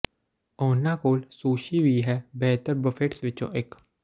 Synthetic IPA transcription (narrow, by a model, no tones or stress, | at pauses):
ɔːnaːkoːlsuːʃiːʋiːɦɛːbɛːt̪əɾbəfʰeʈsʋɪt͡ʃõ̰ːʔɪk